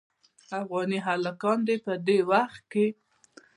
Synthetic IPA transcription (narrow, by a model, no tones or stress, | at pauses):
afɣɑniɦalakɑnd̪epəd̪ewaxt̪̚ke